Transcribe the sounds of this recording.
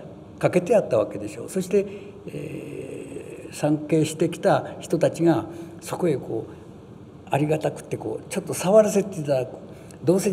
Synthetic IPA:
kake̞t̪e̞at̪ːaβaked̪e̞ɕo̞̰ːso̞ɕi̥t̪e̞ | ḛ | sãŋke̞ːɕi̥t̪e̞kʲi̥t̪açi̥t̪o̞t̪at͡ɕiɡa | so̞ko̞ekʰo̞ː | aɾʲiɡat̪akɯ̟̥t̪ːe̞ko̞̰ːt͡ɕo̞t̪ːo̞saβaɾase̞t̪ːeit̪aako̥ | d̪o̞ːse̞

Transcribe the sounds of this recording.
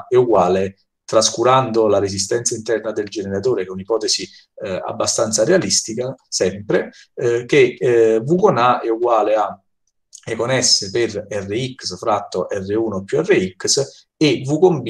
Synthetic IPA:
ɛuɡwaːle | t̪ɾaskuɾand̪olaɾesist̪ɛnt̪saint̪ɛrnad̪eld͡ʒeneɾat̪oːɾekounipɔːt̪ɛsi | a̰bːast̪ant̪saɾealist̪ikasɛmpɾe | k̟evukonaɛuɡwaːlea | ɛkonɛsːeperɛrːeikːsfɾat̪ːoʔɛrːeuːnopːjuɛrːeiks | evukomb

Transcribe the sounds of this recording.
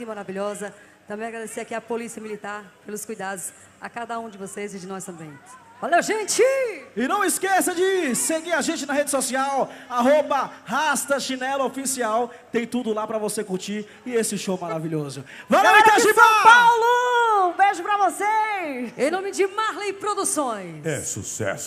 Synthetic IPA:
ɪmaɾaviʎɔzɐ | t̪ɐ̃mbẽj̃aɡɾad̪esiakiɐpolisiɐmilit̪aɾpelʊskujd̪ad̪ʊs | a̰kad̪ɐũd͡ʒɪvosezɪd͡ʒɪnɔst̪ɐ̃mbẽj̃ | valewʒẽt͡ʃɪɪnɐ̃w̃ɪskesɐd͡ʒɪseɡiɾaʒẽt͡ʃɪnɐɦed͡ʒɪsosiawaɦobɐhast̪ɐʃinɛlɐofisiaw | t̪ẽj̃t̪ud̪ʊlapɾɐvosekuɾt͡ʃiɾ | ɪesɪʊʃowmaɾaviʎozʊvaaĩɾafapawlʊbeʒʊpɾɐvoseẽj̃nõmɪd͡ʒɪmaɾlẽjpɾod̪usõj̃sɛ̰sṵsɛ̰sʊ̥

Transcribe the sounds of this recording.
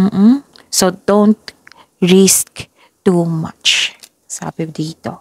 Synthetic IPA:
m̩hm̩ | sod̪õnt̪ | ɹisk | tuma̰t͡ʃ | sa̰ːbɪb̚d̪iːt̪o

